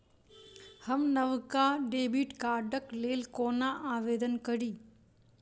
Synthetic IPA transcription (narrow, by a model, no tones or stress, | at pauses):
həmnəʋkaɖeːbiʈkaːɾɖəkleːlkoːnaʔaːʋeːd̪ənkəɾiː